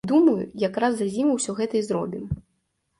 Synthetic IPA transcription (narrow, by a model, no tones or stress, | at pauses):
d̪umɐjṵjakɾazːazʲimɐwsʲɔɣɛt̪ɐizɾɔbʲim